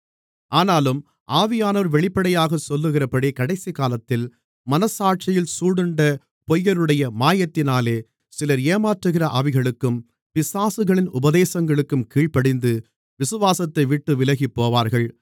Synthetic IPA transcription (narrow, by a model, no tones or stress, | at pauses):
ʔaːnaːlɯm | ʔaːʋɪjaːnɐːɾʋɛɭɪpːɐɽɐjaːɣɐsɔlːɯɣɪrɐpɐɽikɐɽɐɪsikaːlɐt̪ːɪl | mɐnɐsaːʈ̚t͡ʃɐjɪlsuːɽɯɳɖɐ | pɔjːɐɾɯɽɐjɐmaːjɐt̪ːɪnaːleː | sɪlɐɾjeːmaːʈrɯɣɪrɐʔɐʋɪɣɐɭɯkːɯm | pɪsaːsɯɣɐɭɪnʊbɐðeːsɐŋɡɐɭɯkːɯmkiːɭpɐɽɪnd̪ɯ | ʋɪsɯʋaːsɐt̪ːɐɪʋɪʈːɯʋɪlɐɣipːoːʋaːɾɣɐɭ